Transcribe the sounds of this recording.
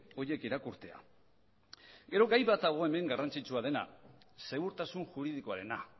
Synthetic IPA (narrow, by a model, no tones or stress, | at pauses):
o̞je̞kiɾakuɾt̪e̞a̰ | ɡe̞ɾo̞ɡajβat̪̚d̪aɣ̞o̞eme̞ŋɡarant͡sit͡ʃuað̞e̞na̰se̞ɣuɾt̪asunʝuɾið̞ikoaɾe̞na